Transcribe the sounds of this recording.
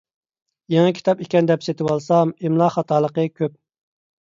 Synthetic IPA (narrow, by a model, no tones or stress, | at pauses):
jɛŋɛkʲʰi̥t̪ɑpikʲɛnd̪ɛpset̪ʰɪwɑlˠsɑmemlˠɑχɑt̪ʰɑːlˠəqəkʲʰøp̚